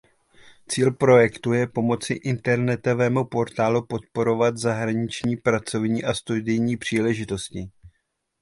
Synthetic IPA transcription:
t͡siːlpɾo̞jɛkt̪ujɛpo̞mo̞t͡sɪ̰ʔɪnt̪ɛɾnɛt̪o̞vɛːmupo̞ɾt̪aːlupo̞t̪̚po̞ɾo̞vat̪zaɦɾaɲɪt͡ʃɲiːpɾat͡so̞vɲiːʔast̪udɪjɲiːpr̝̥iːlɛʒɪt̪o̞scɪ

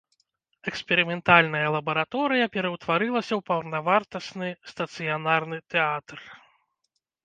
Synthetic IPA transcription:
ɛkspʲɛɾɨmʲɛnt̪alʲnɐjɐlˠɐbɐɾat̪ɔɾɨjɐpʲɛɾɐwt̪vaɾɨlˠɐsʲɐwpɐwrnavart̪ɐsnɨst̪ɐt̪sɨjanarnɨt̪ɛat̪r

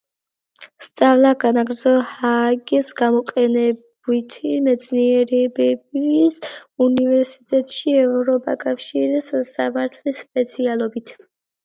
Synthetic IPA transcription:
st̪sʼavlˠaɡanaɡɾd̪zɔhaɡisɡamɔqʼɛnɛb | it̪ʰimɛt̪sʰniɛɾɛbɛbisunivɛɾsit̪ʼɛt̪ʼʃiɛvɾɔpʼa̰kʼafʃiɾissːamaɾt̪ʰlispʼɛt̪sʰialˠɔbit̪ʰ

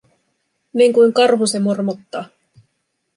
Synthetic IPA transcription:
niŋkujŋkɑrɦusemurmot̪ːɑː

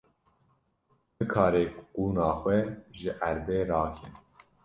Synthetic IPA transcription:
bɨkʰɑːɾeːkquːnɑːxʷwɛʒɪʔæɾbeːɾɑːkʰɛn

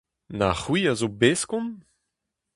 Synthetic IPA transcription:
naχwiːazobeskɔ̃n

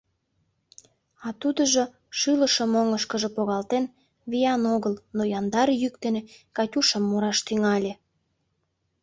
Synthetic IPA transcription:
ɑt̪ud̪əʒo | ʃɯləʃəmoŋəʃkəʒə̆poɣɑlt̪en | βijɑnoɣəlnojɑnd̪ɑrjykt̪enekɑtʲuʃəmːuɾɑʃt̪yŋɑlʲe

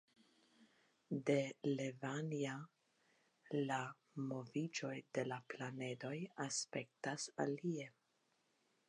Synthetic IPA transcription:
de̞le̞vania | la | mo̞vid͡ʒo̞jde̞laplane̞do̞jaspe̞k̚tasa̰lie̞

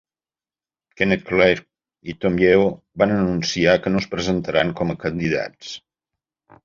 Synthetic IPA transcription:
kenekleɾ | it̪omjɛw | βanənunsiakənospɾəzənt̪əɾaŋkɔməkənd̪iða̰s

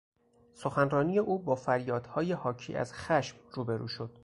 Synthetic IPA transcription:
so̞xænrɒːniːje̞ʔuːbɒːfæɾjɒːd̪̥hɒːjehɒːcʰḭːʔæ̰zxæʃmruːbeɾṵːʃo̞d̪̥̚

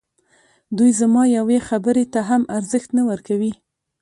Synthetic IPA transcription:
d̪ujzamɑjawexabəɾet̪aɦamaɾzəxt̪nawəɾkawi

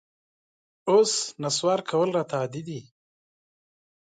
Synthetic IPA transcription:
osnaswɑɾkʰawəlɾat̪ad̪id̪i

